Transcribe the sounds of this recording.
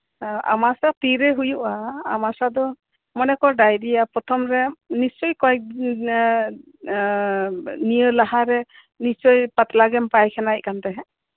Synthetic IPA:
a̰masat̪iɾɛɦujuʔa̰ːmasad̪ɔ | mɔnɛkɔɖajd̪ijapɾɔt̪ʰɔmɾɛnist͡ʃɔjkɔɛk̚ | nijəlaɦaɾɛ | nit͡ʃɔjpat̪laɡɛmpajkʰɛnac̚kant̪ɛɦɛ

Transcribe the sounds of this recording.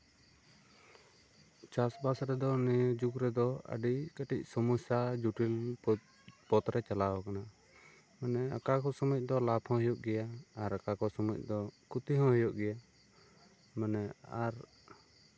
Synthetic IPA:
t͡ʃasbasɾɛd̪ɔnijd͡ʒukɾɛd̪ɔə̰ɖikaʈic̚ˀsɔmusad͡ʒuʈil | pɔt̪ɾɛt͡ʃalawɔkana | manɛa̰kakɔsɔmɔc̚ˀd̪ɔlapʰhɔ̃ɦjuʔɡɛjaːɾakakɔsɔmɔc̚ˀd̪ɔkut̪iɦɔ̃ɦɔjɔʔɡɛja | manɛaɾ

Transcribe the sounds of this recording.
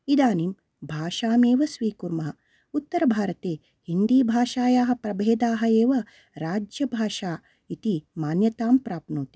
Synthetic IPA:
id̪aːnim | bʱaːʂaːmeːʋɐsʋiːkuɾmɐɦɐ | ut̪ːɐɾɐbʱaːɾɐt̪eː | hind̪iːbʱaːʃaːjaːɦɐ̆pɾɐbʱeːd̪aːɦɐeːʋɐ | ɾaːd͡ʒjɐbʱaːʃaː | it̪imaːnjɐt̪aːmpɾaːpnoːt̪i̥

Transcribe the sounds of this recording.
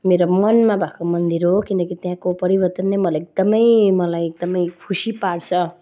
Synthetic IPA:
meɾomʌnmabʱakʰomʌnd̪iɾɦokinʌkit̪jãkopʌɾibʌrt̪ʌnːemʌlaek̚d̪ʌmʌjmʌlajek̚d̪ʌmʌjkʰusipaɽt͡sʰʌ

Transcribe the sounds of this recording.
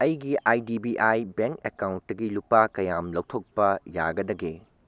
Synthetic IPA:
ɐjɡiʔajdibiʔajbeŋkekawnt̚tɐɡilupakɐjamlɐwtʰok̚pɐjaɡɐdɐɡe

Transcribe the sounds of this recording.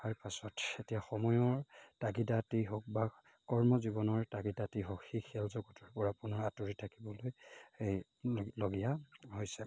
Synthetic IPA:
aɹpasɔtetijaxɔmɔjɔɹtaɡidatiɦok̚ba | kɔɹmɔzibɔnɔɹtaɡidatiɦokxixʰɛlzɔɡɔtɔɹpɔɹapunɔɹatuɹitʰakibɔlojej | loɡijahojsɛ

